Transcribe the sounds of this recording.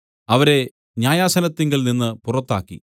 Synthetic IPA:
ɐʋɐɾe̞ | ɲaːjaːsɐnɐt̪ːeŋɡilninːɨpurɐt̪ːa̰ːkːḭ

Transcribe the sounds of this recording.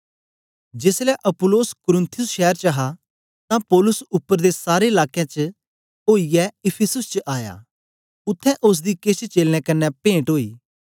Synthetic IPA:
d͡ʒeːslɛʔɐpʊloːskʊɾɪ̃nt̪ʰɪjʊsʃɛːəɾt͡ʃɐɦa | t̪ãpɔːlʊsʊpːəɾd̪esaːɾeɪlaːkjãt͡ʃə | oːijɛɪpʰɪsʊst͡ʃəʔaːja̰ː | ʊt̪ʰːɛ̃ʔʊs̬d̪ikɪt͡ʃt͡ʃeːlñɛ̃kɐnːɛpẽːʈɦoːiː

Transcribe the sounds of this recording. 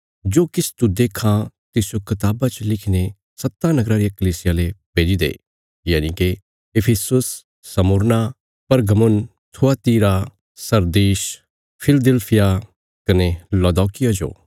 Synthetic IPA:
d͡ʒoːkɪst̪ud̪eːkʰãt̪ɪsjokɪt̪aːbat͡ʃəlɪkʰine | sɐt̪ːanɐɡɾaɾijakɐliːsɪjalepeːd͡ʒid̪ḛː | jaːnike | ɪpʰɪsʊsː | ɐmʊɾna | pɐɾɡɐmʊn | t̪ʰuat̪iːɾa | sɐɾd̪iːʃ | pʰɪld̪elpʰɪja | kɐnelɔd̪ɔːkɪjad͡ʒo̰ː

